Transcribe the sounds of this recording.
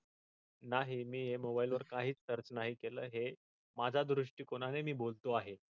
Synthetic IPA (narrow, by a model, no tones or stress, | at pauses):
naɦimiːɦemobailʋəɾkaɦiːt͡st̪əɾt͡snaɦiːkeləːɦe | mad͡zʱad̪ɾuʂʈiːkoɽ̃anemiːbolt̪oaɦe